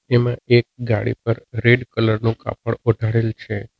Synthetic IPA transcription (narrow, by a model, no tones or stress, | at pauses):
emãʔek̚ɡa̰ɽḭpəɾɾeɖkələɾnũka̰pəɭoɖʱaɽelt͡ʃʰe